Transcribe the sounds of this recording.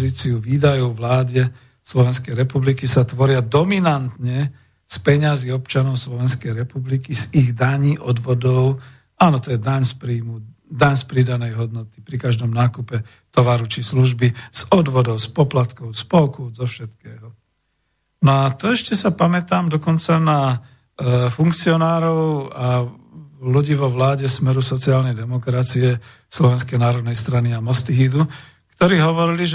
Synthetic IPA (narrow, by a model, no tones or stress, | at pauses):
ziːt͡siuʋiːd̪ajɔʊʋlaːdɛ | slɔʋɛnskɛjɾɛpublikisat̪ʋɔɾɪad̪ɔminant̪ɲɛ | spɛɲaziɔpt͡ʃanɔʊslɔʋɛnskɛjɾɛpublikiziɣd̪aɲiːʔɔd̪ʋɔd̪ɔʊ | aːnɔt̪ɔjɛd̪aɲspɾiːmu | d̪aɲspɾid̪anɛjɦɔd̪nɔt̪i̥pɾikaʒd̪ɔmnaːkupɛ | t̪ɔʋaɾut͡ʃisluʒbiz̥ɔd̪ʋɔd̪ɔʊspɔplat̪kɔʊspɔlkuzɔfʃɛt̪kɛːɦɔ | nɔat̪ɔɛʃcɛsapamɛt̪aːmd̪ɔkɔnt͡sana | fuŋkt͡siɔnaːɾɔʊa | luɟiːʋɔʋlaːɟɛsmɛɾusɔt͡siaːlnɛjd̪ɛmɔkɾat͡siɛ | slɔʋɛnskɛjnaːɾɔd̪nɛjst̪ɾaniamɔst̪iɦid̪u | kt̪ɔɾiːɦɔʋɔɾiliʒ